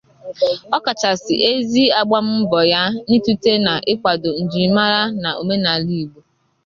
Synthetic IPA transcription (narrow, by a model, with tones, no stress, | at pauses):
ɔ˦ka˨t͡ʃa˨sɪ̰˨ʔe˦zi˦a˦ɡ͡ba˦m̩˦m̩˦bɔ˨ja˦ni˦tu˦te˦na˨ʔɪ˦kʷa˨do˨n̩˨d͡ʒi˨˦ma˦ɾa˦na˨o˨me˦na˨li˨ɡ͡bu˨